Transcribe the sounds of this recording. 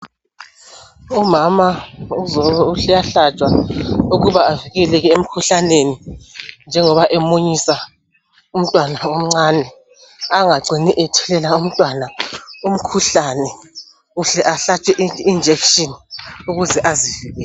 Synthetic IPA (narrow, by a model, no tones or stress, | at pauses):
umamauzɔuɬɛjaɬat͡ʃʼwauɣuβaaviɣɛlɛɣɛem̩kʰuɬanenind͡ʒʱɛŋɔβaʔɛmoɲisa | um̩tʼwanaom̩ŋ͡ǀanɛ | aŋaǀʱiniʔɛtʰulɛlaum̩tʼwanaum̩kʰuɬanɛ | uɬɛʔaɬat͡ʃʼɛʔiind͡ʒʱɛkʃʼinuɣuzɛʔaziviɣɛlɛ